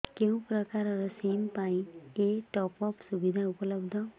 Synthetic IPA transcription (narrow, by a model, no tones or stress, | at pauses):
kew̃pɾʌkaɾɾʌsempaĩeʈɔpɔpsubid̪ʱaupʌlʌbd̪ʱʌ